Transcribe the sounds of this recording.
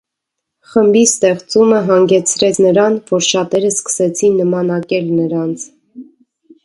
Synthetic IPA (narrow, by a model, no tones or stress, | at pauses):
χəmbist̪ɛχt͡suməɦɑŋɡɛt͡sʰɾɛt͡sʰnəɾɑnvɔɾʃɑt̪ɛɾəskə̥sɛt͡sʰinːəmɑnɑkɛlnəɾɑnt͡sʰ